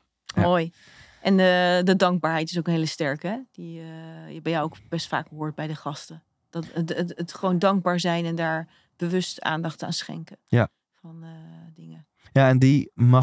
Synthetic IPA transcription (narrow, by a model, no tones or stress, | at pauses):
moːj | ʔɛnədədɑŋɡ̚baːɹɦɛjtɪ̥sowkənɦeːləstɛɹkəɛd̥iəɛbɛjawowkb̥ɛstfa̰ːk̚bəɦʊːɹt̚bɛjdəχɑstə | d̥ɑtəətχəʋowndɑŋɡ̚baːɹzɛjnɛndaːɹ | b̥əʋɵsta̰ːndɑχta̰ːnsχɛ̰ŋkəja | fɑnədɪŋə | jaɛndimɑ